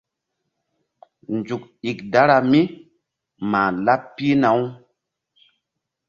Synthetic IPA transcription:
nd͡ʒu˨k̚i˨kda˦ɾa˨mi˦ | maː˨la˦ppːi˦na˨˦w

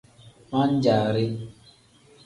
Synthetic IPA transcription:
ma˦n̩˦d͡ʒa˨ɾɪ˦

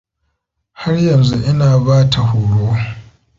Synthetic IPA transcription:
ha˦rjɐ˨nzu˦ʔɪ˦naː˨baː˦tʰa˨huː˨ɽoː˦

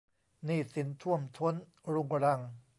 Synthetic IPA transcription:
niː˥˩si˩˦nt̪ʰu˥˩əmt̪ʰu˦˥ən | ɾu˧ŋɾa˧ŋ

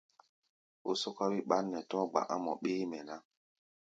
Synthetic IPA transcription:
o˦sɔ˦ka˦wi˦ɓa˦nːɛ˨tɔ̃˦ɡ͡ba̰˨ʔa˦mɔ̰˨ɓeː˦mɛ˨na˦

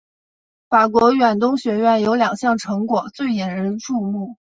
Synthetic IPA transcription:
fa˨˩kwɔ˧˥ɥɛ˨˩nt̪̬ʊ˥ŋɕɥɛ˧˥ɥɛ˥˩njo˧˥ʊljɑ˨˩ŋɕjɑ˥˩ŋʈ͡ʂʰɤ˧˥ŋkwɔ˨˩t͡swe˥˩ɪjɛ˧˥nɻə˧˥nʈ͡ʂu˥˧mu˥˩

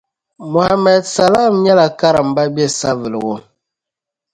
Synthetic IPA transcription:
mo˨ha˨mɛ˨dsa˨la˦˨mɲa˦la˨ka˦ɾa˨m̩˨ba˦be˦sa˦və˨lɣɔ˦

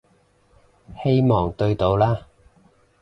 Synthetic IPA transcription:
he˥jmɔː˨ŋt̪ɵ˧ɥt̪o˨˧wlaː˥

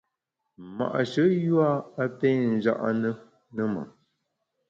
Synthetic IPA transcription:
ma̰˨ʔʃə˨˦jwa˦a˦pe˦n̩˨d͡ʒa̰˦ʔa˦nə˦ | nə˦ma̰˨

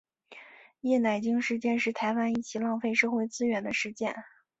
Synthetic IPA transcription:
jɛ˥˩na˨˩ɪt͡ɕi˥ŋʂɻ̩˥˧t͡ɕjɛ˥˧nʂɻ̩˥˩t̪ʰa˧˥ɪwa˥ni˥˩t͡ɕʰi˧˥lɑ˥˧ŋfe˥˧ɪʂɤ˥˧xwe˥˧ɪt͡sɹ̩˥ɥɛ˧˥nd̪ə˧ʂɻ̩˥˧t͡ɕjɛ̰˥˩n

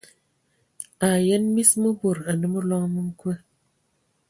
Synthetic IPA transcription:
a˨jə˦nmi˦smə˦bo˨ɾa˨nə˦mə˦lɔ˦ŋmɨ˦ŋ˦kə˦

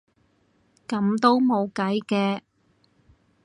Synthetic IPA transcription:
kɐ˨˥mt̪o˥wmo˨˧wkɐ˨˥jkɛː˧

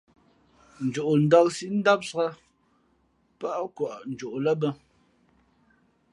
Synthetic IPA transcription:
n̩˨d͡ʒu˨ʔn̩˨dɔ˦ksi˦ʔn̩˦da˦p̚sɣa˦ | pa˦ʔkwa˨ʔn̩˨d͡ʒo˨ʔlə˦bə˦

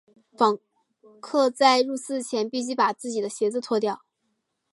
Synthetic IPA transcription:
fɑ˨˩ŋ | kʰɤ˥˧t͡sa˥˧ɪɻu˥˧sɹ̩˥˩t͡ɕʰjɛ˧˥npi˥˧t͡ɕy˥˩pa˨˩t͡sɹ̩˥˩t͡ɕi˨˩d̪ə˦ɕjɛ˧˥t͡sɹ̩˧t͡sʰwɔ˥˧t̪̬jɑ˥˩ʊ

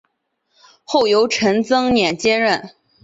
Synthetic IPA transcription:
xo˥˩ʊjo˧˥ʊʈ͡ʂʰə˧˥nt͡sɤ˥ŋnjɛ˨˩nt͡ɕjɛ˥ɻə˥˩n

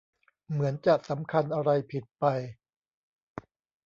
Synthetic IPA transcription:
mɯ˩˦ənt͡ɕa˨˩sa˩˦mkʰa˧nʔa˧ɾa˧jpʰi˨˩t̪̚pa˧j

